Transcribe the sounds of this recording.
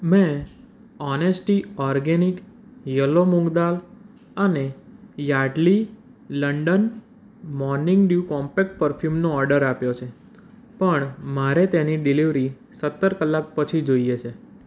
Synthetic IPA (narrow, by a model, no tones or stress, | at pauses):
mẽ | ɔnesʈiɔɾɡenik | jəlːomũŋɡd̪al | ənejaɖli | ləɳɖən | mɔɾnɪ̃ŋɡɖjukɔ̃mpek̚ʈ̚pəɾfʰjumnoɔɾɖəɾapjot͡ʃʰe | pəɳmaɾet̪eniɖiliʋɾi | sət̪ːəɾkəlːak̚pət͡ʃʰid͡ʒoiet͡ʃʰe